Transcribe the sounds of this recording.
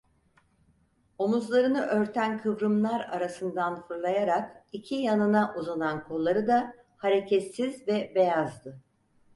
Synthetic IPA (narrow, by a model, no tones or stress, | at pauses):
o̞muzlˠaɾɯnɯʔø̞ɾt̪ʰænkʰɯvɾɯmlˠaɾaɾasɯnd̪anfɯɾlˠajaɾakicʰijanɯnaʔuzanankʰo̞lˠːaɾɯd̪a | haɾe̞cʰɛt̪sizvɛbe̞jazd̪ɯ